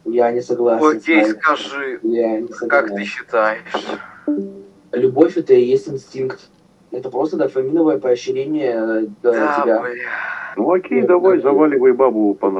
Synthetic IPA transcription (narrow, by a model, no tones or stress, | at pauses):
janʲɪsɐɡlˠason̩kʲejskɐʐɨjanʲɪsɐkakt̪ɨɕːɪt̪ajɪʂ | lʲʊbofʲɛt̪əɪjesʲtʲɪnsʲtʲinkt̪ | ɛt̪əpɾo̞st̪əd̪ɐfɐmʲinəvəjəpəɐɕːɪɾʲenʲɪjəəɪbʲa | nuɐkʲejd̪ɐvajzɐvalʲɪvəjbabʊpɐn